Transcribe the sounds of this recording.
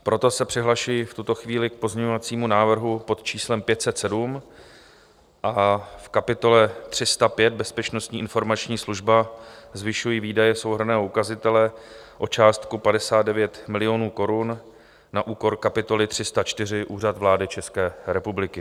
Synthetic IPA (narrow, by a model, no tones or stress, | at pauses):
pɾo̞t̪o̞sɛpr̥ɪɦlaʃujift̪ut̪o̞xviːlɪk̚po̞zɲɛɲovat͡siːmunaːvr̩ɦupo̞t̪t͡ʃiːslɛmpjɛt̪sɛt̪sɛdum | ʔafkapɪt̪o̞lɛt̪r̝̥ɪst̪apjɛd̪̚bɛspɛt͡ʃno̞st̪ɲiːʔɪnfo̞ɾmat͡ʃɲiːsluʒbazvɪʃujiːviːdajɛso̞wɦr̩nɛːɦoukazɪt̪ɛlɛ | ʔo̞t͡ʃaːst̪kupadɛsaːd̪dɛvjɛt̪mɪlɪjo̞nuːko̞ɾunː | aʔuːko̞ɾkapɪt̪o̞lɪt̪r̝̥ɪst̪at͡ʃt̪ɪrɪʔuːrat̪vlaːdɪt͡ʃɛskɛːɾɛpublɪkɪ